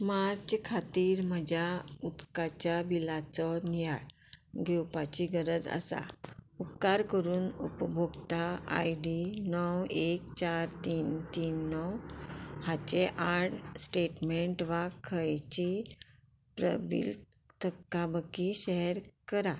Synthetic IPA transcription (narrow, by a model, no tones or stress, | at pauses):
maɾt͡ɕkʰat̪iːɾməd͡ʑʱjaup̪kat͡ɕjabilat͡sɔnijaɽ | ɡʱewpat͡ɕiɡəɾəd͡za̰sa̰upkaɾkəɾuːnupbʱoɡt̪aa̰jɖinɔwekt͡ɕaɾt̪iːnt̪iːnːɔwhat͡ɕeʔaɽsʈeʈmeɳʈʋakʰəjt͡ɕi | pɾə̰bḭl | t̪ʰəkːabəkiɕɛɦɾkəɾa